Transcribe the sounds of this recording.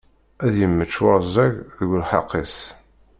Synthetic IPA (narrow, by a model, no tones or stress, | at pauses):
æðjəmːət͡ʃːwɑɾzæʝðəɡʷəlħɑ̰qːis